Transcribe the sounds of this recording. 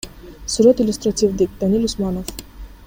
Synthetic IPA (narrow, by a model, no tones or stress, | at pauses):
suɾɔt̪ilʲust̪ɾat̪ʰʲivd̪ik̚d̪anilʲusmanɔv